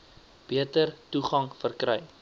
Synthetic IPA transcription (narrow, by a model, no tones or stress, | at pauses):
b̥iətərtuχɐŋfərkɾɛj